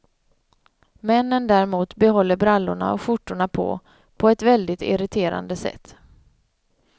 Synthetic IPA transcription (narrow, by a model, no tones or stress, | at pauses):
mɛnːənd̪æɾɛmuːt̪bɛɦɔlːəɾbɾalːʊɳa̰ɔ̰fʊʈːʊɳapʰɔ̰ | pʰɔɛt̪vɛld̪ɪt̪ɪ̰ɾɪt̪ʰeːɾa̰nd̪əsɛ̰t̪ː